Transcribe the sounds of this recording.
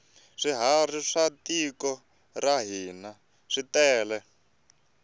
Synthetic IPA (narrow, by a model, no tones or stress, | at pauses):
ʂiɦariʂatikɔ | raɦiːna | ʂitɛːlɛ